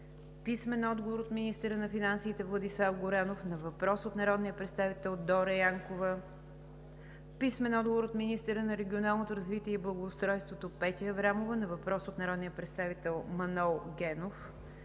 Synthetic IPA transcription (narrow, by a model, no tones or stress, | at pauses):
pismɛnɔd̪ɡovoɾot̪minist̪ɛɾənɐfinansiːt̪ɛvlˠɐd̪islˠafɡoɾanofnɐvɐpɾɔsot̪nɐɾɔd̪nijəpɾɛt̪st̪avit̪ɛlˠd̪ɔɾəjaŋkovə | pismɛnɔd̪̚ɡovoɾot̪minist̪əɾənɐɾɛɡʲionalˠnot̪oɾəzvit̪iɛiblˠɐɡoːst̪ɾɔjst̪vot̪opɛt̪iəvɾamovənɐvɐpɾɔsot̪nɐɾɔd̪nijəpɾɛt̪st̪avit̪ɛlˠmɐnɔlˠɡɛnof